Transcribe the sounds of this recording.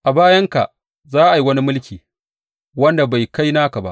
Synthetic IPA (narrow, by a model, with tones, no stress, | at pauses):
ʔa˨baː˦jɐ˦ŋka̰˨ʔ | zaː˦ʔa˨ji˨˦wɐ˦ni˦mʊ˦lkʲiː˨ | wɐ˦nda˨ba˨jka˦jnaː˦ka˨ba̰˦ʔ